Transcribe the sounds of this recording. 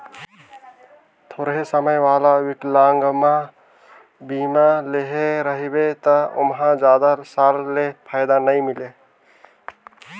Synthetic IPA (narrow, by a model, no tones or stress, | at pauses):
t̪ʰoːɾɦesəməjʋaːlawɪʈlãːŋɡmã | biːmãleɦeɾəɦibet̪əʊ̰mɦãd͡ʒaːd̪aɾsaːllepʰaːjd̪anəĩmɪle